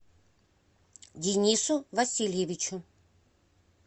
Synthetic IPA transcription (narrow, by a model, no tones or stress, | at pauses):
dʲɪnʲisʊvɐsʲilʲjevʲɪt͡ʃʊ